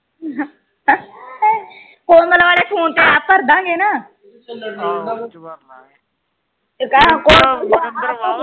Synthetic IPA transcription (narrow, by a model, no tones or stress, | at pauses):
koːmət̪ləʋaːleːpʰuːnt̪eːaːpəɾd̪ãːɡeːnaː | kakoː